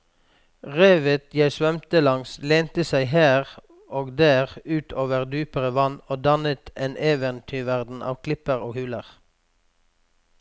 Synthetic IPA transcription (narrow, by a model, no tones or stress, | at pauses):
ʁeːʋət̪jæɪsʋœmt̪əlɑŋsleːnt̪əsæɪhæːʁ | ʔoːɡd̪æːʁʉːt̪ʰoːʋəʁd̪yːpəʁəʋɑnoːd̪ɑnət̪eːnʔeːʋənt̪ʰyːʋæʁd̪n̩ʔɑ̰ːʋkʰlɪpəʁoːhʉːləʁ